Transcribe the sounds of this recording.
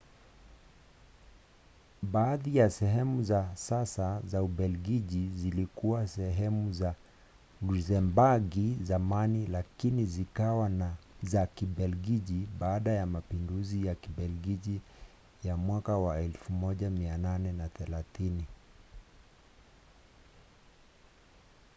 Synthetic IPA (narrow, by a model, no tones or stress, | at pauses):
ɓaːðijasɛɦɛmuzasasazauɓɛlɡiʄizilikuwasɛɦɛmuza | luzɛmbaɡizamanilakinizikawanazakiɓɛlɡiʄiɓaːɗajamapinduzijakiɓɛlɡiʄi | jamwakawaɛlfumɔʄamiananɛnaθɛlaθini